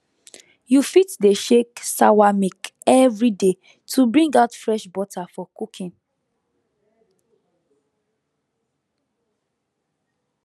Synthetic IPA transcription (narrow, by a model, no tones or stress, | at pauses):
jufitdeʃeksawamikɛvɹide | tʰubɹĩŋɡaʊtfɹɛʃbɔtʰafɔkukʰĩn